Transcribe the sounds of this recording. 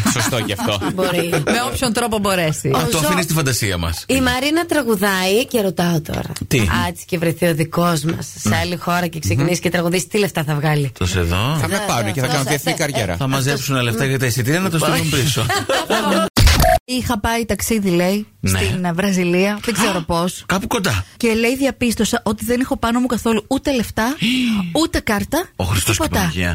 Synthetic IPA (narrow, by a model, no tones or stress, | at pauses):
sost̪oceɐft̪oboɾimeopço̞nt̪ɾo̞pobo̞ɾe̞sit̪oɐfinist̪ifɐnd̪ɐsiɐmɐ̰simɐɾinɐt̪ɾɐɣuðɐiceɾo̞t̪ɐot̪o̰ɾɐ̰t̪iɐt͡si̥ce̞vɾeθio̞ðiko̞zmɐ̰sːeɐlixo̞ɾɐceksekinisi̥cet̪ɾɐɣuðisi̥t̪ile̞ft̪ɐθɐvɣɐlioseðo̰θɐmepɐunceθɐɐnoðieθnikɐɾʝḛɾɐ̰θɐmɐzepsunɐleft̪ɐʝɐt̪ɐisit̪iɾɐnɐt̪ost̪ilumpiso | ixɐpɐit̪ɐksiðile̞inset̪invɾɐziliɐðeɡzeɾo̞po̞skɐpuko̞nd̪ɐce̞le̞jðiɐpist̪o̞sɐʔo̞t̪iðenixo̞pɐnomukɐθo̞luut̪e̞le̞ft̪ɐut̪e̞kɐɾt̪ɐo̰xɾist̪ospopd̪ɐʝḭɐ̰